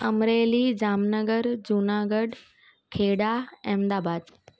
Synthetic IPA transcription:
ɐmɾeːlid͡ʑaːmnəɡəɾd͡ʑunaːɡəɖ | kʰeːɽaẽːmd̪aːbaːd̪

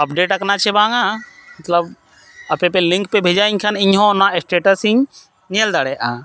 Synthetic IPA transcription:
əp̚ɖeʈəknat͡ʃʰɛbãŋamɐt̪ləb | ɐpepelɪ̃ŋkpebʱed͡ʒaiɲkʰənɪɲɦɔ̃naesʈeʈəsiɲ | niəld̪aɽɛʔa

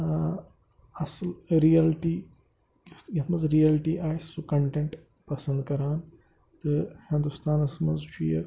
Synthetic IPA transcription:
ɐslɾijɐlʈiː | sjɐt̪ʰmɐzɾijɐlʈiʔaːjsukɐɳʈẽɳʈ | pɐsɐ̃nd̪̚kɐɾaːn | t̪ɨhɪ̃nd̪ust̪ʰaːnɐsmɐzʃijɐ̰

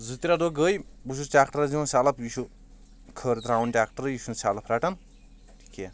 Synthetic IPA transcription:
zut̪iɾad̪oɡəjbus̬usʈʲakʈɐɾziwnsalɐpjuʃu | kʰəɾt̪ɾawnʈʲak̚ʈɐɾjiʃunsalɐpʰɾaʈɐn | ʈʰi̥kːe

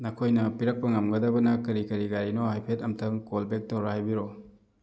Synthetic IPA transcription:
nɐkʰojnɐpiɾɐk̚pɐŋɐmɡɐdɐbɐnɐkɐɾikɐɾiɡaɾinohajpʰetɐmtʰɐŋkolbek̚towɾahajbiɾo

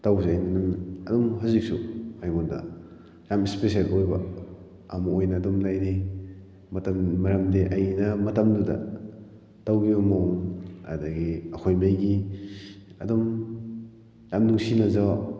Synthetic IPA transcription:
tawzajnanunɐdɔmɦɐzik̚sṵajɡɔnda̰ | jamispes̬ialojbɐ | amɐojnɐːdɔmlajde | mɐtɐmmɐɾamdeʔɐjinɐmɐtɐmdudɐ̰ | tawɡiumaŋa̰daɡiɐkʰojmajɡi | ɐ̰dɔm | jamnuŋsinazaw

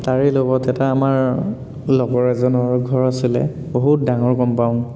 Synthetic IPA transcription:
taɹelobɔtɛtaːmaɹ | lɔɡɔɹɛzɔnɔɹɔɡʱɔɹasilɛ̰ | boɦut̚daŋɔɹkɔmpaʊ̃n

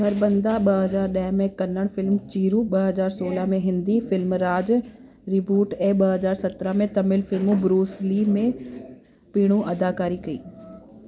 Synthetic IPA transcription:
ɐɾbɐ̃nd̪aɓɐɦɐzaːɾɗɐɦmẽkɐnəɽ̃fɪlmt͡ɕiːɾuɓɐɦɐzaːɾsoːləmẽɦɪ̃nd̪ifɪlmɾaːd͡ʑ | ɾɪbuːʈeːɓɐɦɐzaːɾsɐt̪ɾəmẽt̪ɐmɪlfɪlmũbɾuːslimẽ | piːɽ̃ũʔɐd̪aːkaːɾikɐḭː

